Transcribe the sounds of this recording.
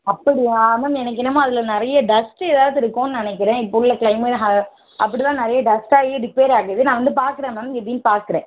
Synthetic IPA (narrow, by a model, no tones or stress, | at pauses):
ɐpːɐɽɪjaːmɐmɛnɐk̬ːɪɳɐmãːɐðɪlɐnɪɾɐjɐɖɐsʈɛːðaːʋðɯɪɾɯkːõnɯnɪnɛk̬ːɪɾẽːɪpːolːɐkɪɭɐɪmɐɦɐ | ʔɐpːɐɽit̪ãːnɪɾɐjɐɖɐsʈaːɣeɖɪpːeːɾaːɣɪɐðɯnãːʋɐnd̪ɯpaːɾkɯɾeːmɐmɛpːɽɪnpaːɾkɯɾẽː